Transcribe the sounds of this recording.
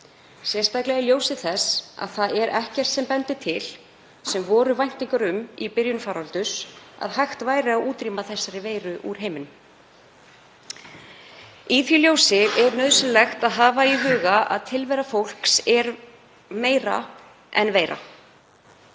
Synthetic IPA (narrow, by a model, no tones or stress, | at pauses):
sjɛ̥st̪ajklɛɣaljoːwsɪθɛsa̰ðθaðɛɾʔɛhcɛr̥t̪sɛmpɛnt̪ɪ̥t̪ʰɪl | sɛmvɔːɾʏvajn̥t̪iŋkʏɾʏmipɪɾjʏnʏfaːɾalt̪ʏsa̰ðhajxt̪vaːjɾɪawuːt̪ɾimaθɛsːaɾɪveːjɾʏʔuɾ̥ɦeːjmɪn | iθiljoːwsɪɛɾnœðsʏlɛxt̪aðɦaːvaiɦʏːɣaʔa̰ðt̪ʰɪlvɛɾafowl̥ksɛɾ | meːjɾa̰ | ʔɛ̰nveːjɾa̰